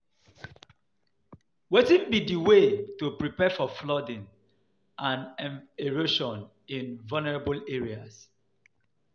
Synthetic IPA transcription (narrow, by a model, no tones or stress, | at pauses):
wetĩnbidiwetupɹipɛfɔflɔdĩn | ʔãnɛneɹoʃɔ̃n | ĩnvalnɛɹabəleɹias